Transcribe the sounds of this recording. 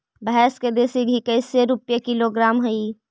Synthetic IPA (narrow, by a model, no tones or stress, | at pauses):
bəɦɛːsked̪eːsiɡʱikɐɪseɾʊpjekɪloɡɾaːmɦɐiː